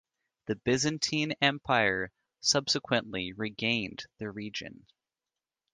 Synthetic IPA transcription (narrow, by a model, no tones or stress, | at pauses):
ðɨbɪzɨ̃ntʰĩnɛ̃mpʰaɪə˞ | sʌb̥sɨkʰwɨ̃nʔliɹiɡẽɪ̃nðɨɹid͡ʒɨ̰̃n